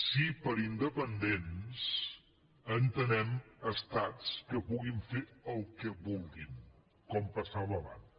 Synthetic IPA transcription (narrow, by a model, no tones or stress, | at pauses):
sipəɾind̪əpənd̪ens | ənt̪ənɛməst̪at͡skəpuɣiɱfeɾəlˠkəβulˠɡin | kɔmpəsaβəβa̰n